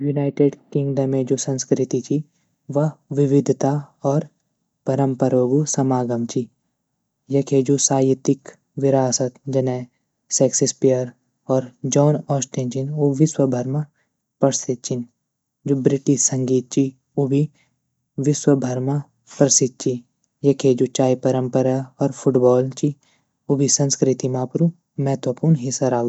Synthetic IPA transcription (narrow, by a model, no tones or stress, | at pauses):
junaːɪʈeɖkɪ̃ŋɡɖəmẽd͡ʒoːsɐ̃nskɾɪt̪it͡ʃʰi | ʋɐʋɪʋɪd̪ʱt̪aɔːɾ | pɐɾə̃mpəɾʋəɡusɐmaːɡəmt͡ʃʰi | jɐkʰed͡ʒoːsaːjɪt̪ɪk | ʋɪɾaːsət̪d͡ʒɐnɛ | sɛːksespijəɾ | ɔːɾd͡ʒɔːnɔːsʈẽnt͡ʃʰinoʋɪswəbʱɐɾma | pɐɽset̪̚t͡ʃin | d͡ʒubɾɪʈiʃsɐ̃ŋɡiːt̪̚t͡ʃi | ubʱi | ʋɪswəbʱɐɾma | pɾɐsɪt̪̚t͡ʃi | jɐkʰeːd͡ʒut͡ʃaːipɐɾə̃mpəɾaɔːɾpʰʊʈbɔːlt͡ʃi | ʊbʱisɐ̃nskɾɪt̪imãːpɾu | mɛːt̪ʋəpuːɾnɦisɐɾaː